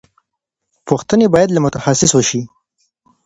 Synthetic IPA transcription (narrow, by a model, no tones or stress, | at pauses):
pʊxt̪ənebɑjad̪lamʊt̪axasɪswəʃi